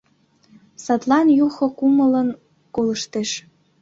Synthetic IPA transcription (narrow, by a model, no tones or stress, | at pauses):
sɑt̪lɑnjuxŏkumələn | koləʃt̪eʃ